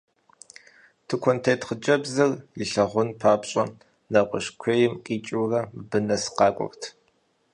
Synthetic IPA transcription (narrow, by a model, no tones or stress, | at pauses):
tʰɨkʷʰɔntʰeːtʰχəd͡ʒɐbzɨrjɪɬɐʁʷʊnpʰaːpɕʼɐ | nɐqʷʼɔʃkʷʰejɪmqʼiːt͡ʃʼiwrɐbɨnɐsqɑːkʷʼɔ̰rtʰ